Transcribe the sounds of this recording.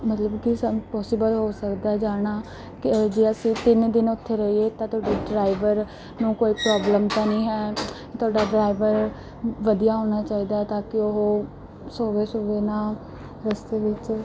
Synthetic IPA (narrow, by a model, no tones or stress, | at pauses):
mət̪ləbkɪsəpɔːsɪbəlɦoːsəkd̪aːd͡ʒaːɽ̃aː | kɪd͡ʒeːəsĩːt̪ɪnd̪ɪnʊt̪ʰːeːɾəɦiːeːt̪ãːt̪ʰʊaːɖeːɖɾaːɪʋəɾ | nũːkoːiːpɾɔːbləmt̪aːnĩːɦɛː | t̪ʰʊaːɖaːɖɾaːiʋəɾ | ʋəd̪ijaːɦoːñaːt͡ʃaːiːd̪aːɛt̪ãːkɪoɦoː | soːʋeːsoːʋeːnaː | ɾəst̪eːʋɪt͡ʃ